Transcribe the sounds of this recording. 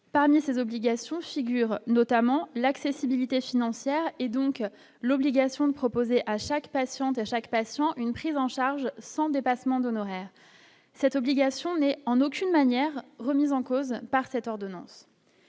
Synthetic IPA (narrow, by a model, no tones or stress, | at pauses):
paʁmisezɔbliɡasjɔ̃fiɡʲyʁnɔt̪amɑ̃laksesibilit̪efinɑ̃sjɛʁed̪ɔ̃k | lɔbliɡasjɔ̃d̪əpχɔpozeʔaʃakpasjɑ̃t̪eʃakpasjɑ̃ʔynpχizɑ̃ʃaʁʒsɑ̃d̪epasmɑ̃d̪ɔnɔʁɛːʁ | sɛt̪ɔbliɡʲasjɔ̃nɛɑ̃nokʲynmanjɛʁːəmizɑ̃kozpaʁsɛt̪ɔʁd̪ɔnɑ̰̃s